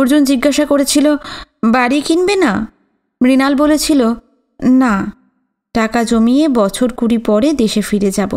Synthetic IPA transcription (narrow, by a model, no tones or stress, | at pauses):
oɾd͡ʑond͡ʑiɡːaʃakoɾet͡ɕʰilobaɾikinbena | mɾinalbolet͡ɕʰilo | na | ʈakad͡ʑomiebɔt͡ɕʰoɾkuɾipɔɾed̪eʃefiɾed͡ʑabo̰